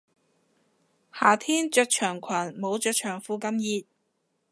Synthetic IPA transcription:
haː˨˩t̪ʰiː˥nt͡ʃœ˧˥t̚t͡ʃʰœː˨˩ŋkʰɐ˨˩nmo˨˥wt͡ʃœ˧t̚t͡ʃʰœː˨˩ŋfuː˧kɐ˧mjiː˧t̪̚

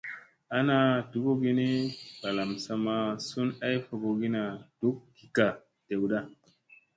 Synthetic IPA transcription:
a˦na˨du˨ɡo˦ɡi˦ne˦ba˨la˨msa˧ma˦su˦na˦jfo˨ɡo˨ɡi˦na˨d̥u˦k̚ɡi˨ka˨ | te˨wda˦

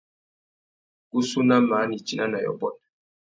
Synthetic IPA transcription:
ku˦su˦na˦ma˨˦ni˨t͡ʃi˦na˦na˨jɔ̰˨bɔ˦˨n

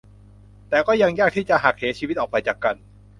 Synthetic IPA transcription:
t̪ɛː˨˩kɔː˥˩ja˧ŋjaː˥˩k̚t̪ʰiː˥˩t͡ɕa˨ʔɦa˨˩k̚heː˩˦t͡ɕʰiː˧w̪ʔɔː˨˩pa˧jt͡ɕaː˨˩kːa˧n

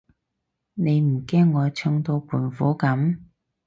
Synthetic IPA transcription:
ne˨˧jm̩˨˩kɛː˥ŋːɔː˨˧t͡sʰɵ˧ŋt̪o˧wpʰuː˨˩nfuː˨˥kɐ˨˥m

